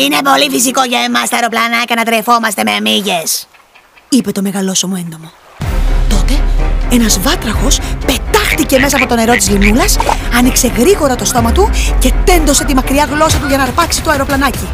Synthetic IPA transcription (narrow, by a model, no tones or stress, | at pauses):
ine̞po̞lifis̬iko̞ʝɐemɐst̪ɐeɾo̞plɐnɐcɐnɐt̪ɾe̞fo̞mɐst̪e̞me̞miʝe̞s | ipe̞t̪o̞me̞ɣɐlo̞somoe̞nd̪o̞mo̞ | t̪o̞t̪e̞e̞nɐzvɐt̪ɾɐxo̞spe̞t̪ɐxt̪ice̞me̞sɐːpo̞t̪o̞ne̞ɾo̞t̪izlinulɐsɐnikse̞ɣɾiɣo̞ɾɐt̪o̞st̪o̞mɐt̪uce̞t̪e̞nd̪o̞se̞t̪imɐkɾiɐɣlo̞sɐt̪uʝɐnɐɾpɐksit̪oɐeɾo̞plɐnɐci